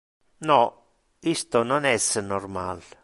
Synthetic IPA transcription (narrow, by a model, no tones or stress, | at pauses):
nɔ | ist̪onɔnɛsnɔrmal